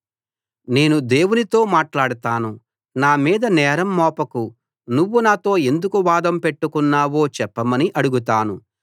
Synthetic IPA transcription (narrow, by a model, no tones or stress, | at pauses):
ne̞ːnud̪e̞ːwunit̪o̞ːmaːʈlaːɽut̪aːnu | naːmiːd̪ɐnɛːɾɐmːɔːpɐku | nuʋːunaːt̪o̞ːe̞nd̪ukuʋaːd̪ɐmpe̞ʈːukunːaːwo̞ːt͡ʃɛpːɐmɐniʔɐɽuɡut̪̬aːnu